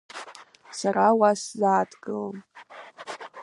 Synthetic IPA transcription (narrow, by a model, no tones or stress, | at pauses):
sarawaszaːtʰɡɨləm